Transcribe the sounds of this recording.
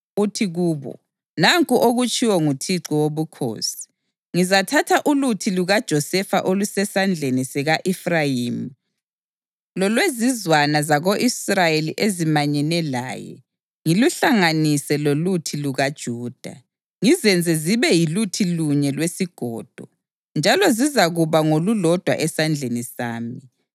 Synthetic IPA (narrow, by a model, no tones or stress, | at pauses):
utʰiɣuːβɔ̰ | naŋkʼuʔoɣut͡ʃʼiwɔŋutʰiǀɔwoβukʰo̰ːsi̥ | ŋizatʰatʰaʔulutʰiluɣad̥ʒ̥ʱɔsɛfa̰ʔolusɛsand͡ɮʱenisɛɣaʔifrajiːm̩ | lɔlwezizwanazaɣoʔisrajeliʔezimaɲɛnɛla̰ːjɛ̰ | ŋiluɬaŋanisɛlolutʰiluɣad̥ʒ̥ʱuːd̥ʱa̰ | ŋizɛnd͡zʱɛziβɛjilutʰiluɲɛlwesiɡ̥ʱɔ̰ːd̥ʱɔ | nd͡ʒʱalɔzizaɣuβaŋolulɔd̥ʱwa̰ʔɛsand͡ɮʱenisaːmi